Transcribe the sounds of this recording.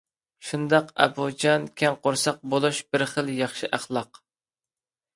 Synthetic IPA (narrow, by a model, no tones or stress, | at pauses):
ʃund̪ɑqɛ̰bud͡ʒɑnkʲʰɛnqʰoɾsɑq̚bolˠuʃb̥ɪɾχəlˠjɑχʃiʔæχlˠɑq